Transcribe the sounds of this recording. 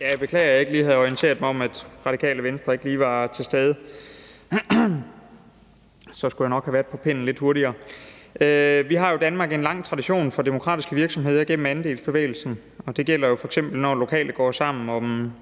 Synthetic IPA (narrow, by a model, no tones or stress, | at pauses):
jæb̥e̝kʰlɛ̰ːɐjɑ̈e̝ɡ̥liːhæð̞̩ˠɒint͡sʰe̝̰ːɐð̥ˠmɒ̽mæd̥ʁɑ̈d̥ikʰɛ̰ːləʋensd̥ʁɐe̝ɡ̥əliːʋɑ̈t͡sʰe̝lsd̥eːð̞ˠə | sɒ̽sɡ̥ud̥ænɒ̽ɡ̥hæʋæɐd̥̚ˠpʰɒ̽pʰen̰n̩le̝d̥ho̝ɐɾiɐːʔøʋiɦɑ̈jo̝d̥ænmɑ̈ːɡ̥e̝nlɑ̈ŋ̰t͡sʰʁɑ̈d̥iɕo̝̰ːnfɒ̽d̥e̝mo̝kʰʁɑ̰̈ːd̥isɡ̥əʋiɐɡ̥sɒ̽mɦe̝ð̰ˠɐɡ̥en̰m̩ænd̥e̝̰ːl̩sb̥e̝ʋḛːɪl̩sn̩ | ɒ̽d̥e̝ɡ̥el̰ɐjo̝fɒ̽eɡ̥sem̰b̥l̩nɒːlo̝kʰɛ̰ːləɡ̥ɒ̰ːsɑ̈m̰n̩ɒ̽